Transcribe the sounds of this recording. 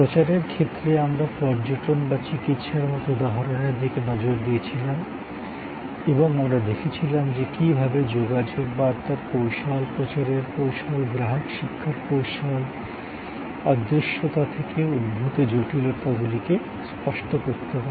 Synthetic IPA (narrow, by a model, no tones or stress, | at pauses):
pɾot͡ɕaɾeɾkʰet̪ːɾeamɾapɔɾd͡ʑoʈonbat͡ɕikit̪ʃaɾmɔt̪od̪ɔɦaɾoneɾd̪ʱikenɔd͡ʑoɾd̪ijet͡ɕʰilam | eboŋamɾad̪ekʰet͡ɕʰilamd͡ʑekibʱabed͡ʑoɡad͡ʑoɡ̚baɾt̪aɾpowʃɔlpɾot͡ɕaɾeɾpowʃɔlɡɾaɦokʃikʰːaɾpowʃɔl | ad̪ɾiʃːot̪at̪ʰekeud̪̚bʱut̪ed͡ʑoʈilot̪aɡulike | spɔʃʈokoɾt̪epaɾe